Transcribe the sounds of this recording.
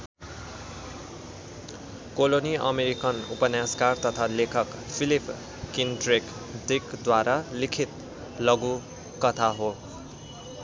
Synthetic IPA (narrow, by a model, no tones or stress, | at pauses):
koloniʔʌ̰meɾikʌnupʌnjãskart̪ʌt̪ʰalekʰʌk | pʰilipʰ | kindrek | d̪ikd̪waɾalikʰit̪ | lʌɡu | kʌt̪ʰaɦo